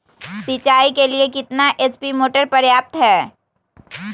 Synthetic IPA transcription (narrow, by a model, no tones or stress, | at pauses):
sit͡ʃaːikeliekɪt̪naʔespimoːʈəɾpɐɾjaːp̚t̪ɦɛː